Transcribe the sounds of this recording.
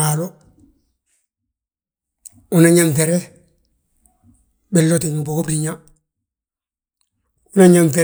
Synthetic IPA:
alo | unaɲamfeɾe | belːotiŋbokobɾiɲa | unaɲamfe

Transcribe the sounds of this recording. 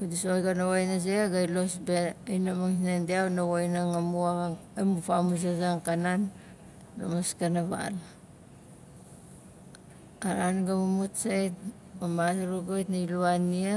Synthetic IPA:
kudisojɡanawajnaz̬eaɡajlosbeajnamaŋsinendiawnawajnaŋamuaemupamus̬azaŋkananː | o̰maskanaβa̰l | aɾanɡamumutsajt | mamasaɾoɡojtnailuanːia

